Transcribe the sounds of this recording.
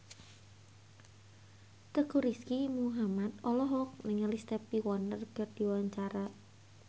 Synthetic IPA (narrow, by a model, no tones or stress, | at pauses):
t̪əkuɾiskimuɦamat̪̚ɔlɔɦɔk̚nɪŋəlist̪ɛpiwɔnərɡ̥ərd̪̥iwaɲt͡ʃaɾa